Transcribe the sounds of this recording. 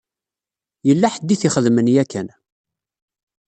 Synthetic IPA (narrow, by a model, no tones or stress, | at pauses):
jəlːaħəd̪ːiθiχəðmənjækːæn